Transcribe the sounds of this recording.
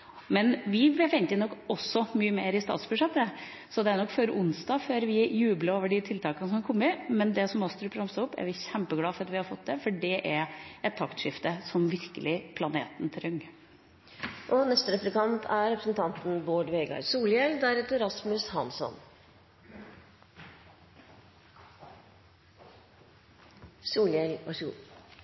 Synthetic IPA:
mɛnʋɪbɛfɛnt̪ənɔkːɔsːɔmyːəmeːɾɪst̪ɑ̰ːt̪sbʉʂɛt̪ːə | sɔd̪ɛæɾɳɔkːføːɾʔʊnsd̪ɑːføːɾʋɪjʉːbləoːʋəɖɪt̪ʰɪlt̪ʰɑːkənəsɔmæɾkʰɔmːəɪmɛnd̪ɛsɔmɔst̪ʰɾʉpʰɾɑmsəʊpːæ̰ɾʋɪçɛmpəɡlɑːfɔɾɑt̪ʋɪhɑɾfɔt̪̚ːd̪ɛfɔɖɛʔæɾɛt̪ʰːɑkt̪ʂɪft̪əsɔmʋɪɾkəlɪpʰlɑneːt̪nt̪ʰɾʏŋː | ʔɔnɛst̪əɾɛpləkɑnt̪ʰæɾɾɛpɾəsn̩t̪ʰɑnt̪n̩boːɖʋeːɡɑ̰ɾsuːljɛld̪æɾɛt̪ɛɾɑsmʉshɑnsɔ̰n | suːljɛlɔsuː

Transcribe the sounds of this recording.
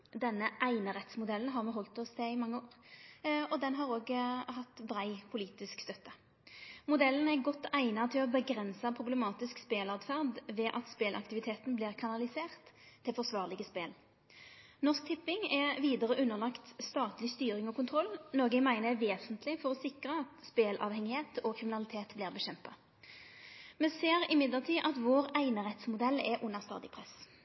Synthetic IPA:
d̪ɛnːəʔæɪnəʁɛt̪smʊd̪ɛln̩ɦɑːʁmɛɦɔlt̪ɔst̪ʰɛɪmɑŋːəoːʁ | ɔd̪ɛnɦɑʁoːɡɦɑt̪ːbɾæɪpʰʊliːt̪ɪskst̪œt̪ːə | mʊd̪ɛln̩æʁɡɔt̪ːæɪnɑt̪ʰɪlɔbəɡɾɛnsɑpʰʁʊblɛmɑːt̪ɪskspeːlɑt̪fæʁd̪ʋɛːʔɑt̪speːlʔɑ̰kt̪ɪʋɪt̪ʰeːt̪n̩blɪːʁkʰɑnɑlɪseːʁt̪ʰːɪlfɔʁsʋɑːʁlɪɡəspeːl | nɔsk̚t̪ʰɪpːɪŋɛʋiːd̪əʁəʔʉnːəʁlɑkt̪st̪ɑːt̪lɪst̪yːʁɪŋɔkʊnt̪ʰʁɔlːnɔɡəmæɪnəjæʋeːsənt̪ʰlɪfɔʁɔsɪkʁəɑt̪speːlʔɑ̰ʋhɛŋɪheːt̪ʰɔkʰʁɪmɪnɑlɪt̪ʰeːt̪blɪːʁbəɕɛmpɑ | mɛnseːʁɪmɪd̪ləʁt̪ʰiːʔɑt̪ʋoːʁæɪnəʁɛt̪smʊd̪ɛlːɛʔʊnəʁst̪ɑ̰ːd̪ɪpʰʁɛs

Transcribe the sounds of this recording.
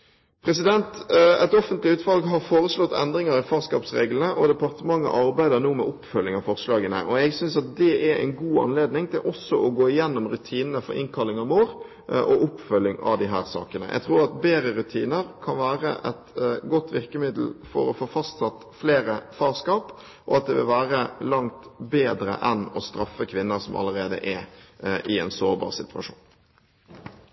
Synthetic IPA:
pʰɾɛsɪd̪ɛnt̪ɛt̪ɔfənt̪lɪʉːt̪fɑlɡɦɑɾfoːɾəslɔt̪ːɛ̰nd̪ɾɪŋəɾɪfɑːʁskɑ̰ːpsɾḛːɡlnəʔɔd̪ɛpɑʁt̪əmɑŋːə̰ʔɑɾbæɪd̪əɾnuːmɛ̰ʔʊpːfœlːɪŋɑʋfɔɾslɑːɡənə̰ʔɔɛɡsʏnsɑt̪̚d̪ɛʔɛɾɛ̰ɪnɡuːɑ̰nleːd̪nɪŋt̪ʰɪlʔɔsːɔʔɔɡoːɪjɛnːɔmɾʉt̪ʰiːnənəfɔ̰ɾɪ̰nkʰɑlːɪŋɑʋmoːɾ | ʔɔʔʊpfœlːɪŋɑ̰ʋd̪ɪɦæːɾsɑ̰ːkənə̰ʔɛ̰ɡt̪ʰɾuːɾɑt̪beːɾəɾʉt̪ʰiːnəɾkʰɑnʋæːɾəʔɛt̪ɡɔt̪ːʋɪʁkəmɪd̪l̩fɔ̰ɾɔfoːfɑst̪sɑt̪fleːɾəfɑːʁskɑːp | ʔɔɑt̪̚d̪ɛʋɪlʋæːɾəlɑŋt̪beːd̪ɾə̰ʔɛnɔst̪ɾɑfːəkʰʋɪnːəsɔmʔɑ̰lːəɾeːd̪ə̰ʔɛʔɪɛnsoːɾbɑ̰ːʁsɪt̪ʰʉɑʂṵːn

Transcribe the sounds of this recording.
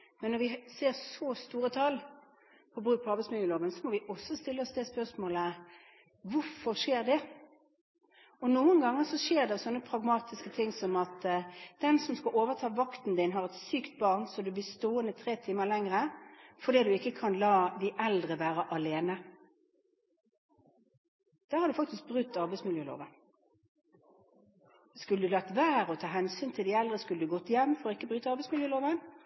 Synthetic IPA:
mɛnːɔɾʋɪseːʁsɔst̪uːɾət̪ʰɑl | pʰɔbʁʉːk̚pʰɔɑʁbɛɪsmɪəːloːʋənsɔmɔʋɪʔɔsːɔst̪ɪlːəɔsd̪ɛspœʁsmoːlə | ʋʊɾfɔʁʂeːʁd̪ɛ | ɔnuːənɡɑŋːəsɔʂeːʁd̪ɛɔsɔnːəpʰʁɑɡmɑːt̪ɪskət̪ʰɪŋːsɔmɑt̪d̪̥ɛnsɔmskɑʔoːʋəʁt̪ʰɑːʋɑkt̪n̩d̪ɪnɦɑʁɛt̪syːkt̪̚bɑːʁnsɔd̪ʉblɪːst̪oːənət̪ʰʁeːt̪ʰiːməlɛŋʁəfɔd̪iːd̪ʉɪkːəkʰɑnlɑːd̪ɪʔɛld̪ʁəʋæːʁəʔɑleːnə | d̪̥æːʁhɑɾd̪ʉfɑkt̪ɪsk̚bʁʉt̪ːɑʁbɛɪsmɪljøːlo̰ːʋən | skʉləd̪ʉlɑk̚t̪ʋæːʁəɔt̪ʰɑːɦɛnsyːnt̪ʰɪld̪ɪɛld̪ʁəskʉləd̪ʉɡɔt̪ːjɛmːfɔɾɔɪkːəbʁyːt̪əɑʁbɛɪsmɪljøːloːʋən

